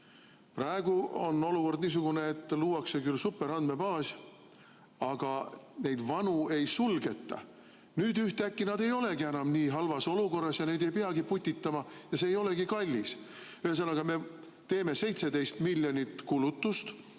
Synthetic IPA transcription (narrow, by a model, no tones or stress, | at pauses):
prɑe̞ɡ̥uo̞no̞luko̞rd̪niːs̬uɡ̥une̞et̪ˑːluːwɑkse̞kylsupːe̞ɾɑnd̪me̞pɑːs | ɑɡ̥ɑne̞jd̪̥vɑnue̞jsulɡe̞t̪ːˑɑ̰ | nyːd̪yht̪eækˑːinɑd̪e̞jo̞le̞ɡienɑmniːɦɑlvɑso̞luko̞rːɑsjɑne̞jd̪e̞jpeɑɡiput̪ʲːit̪ːˑɑmɑjɑse̞ːjo̞le̞ɡikɑlʲːis | yhes̬ɑnːɑɡ̥ɑme̞ | t̪e̞ːme̞se̞jt̪se̞d̪e̞jst̪milʲːjo̞nʲit̪kulut̪ːˑust̪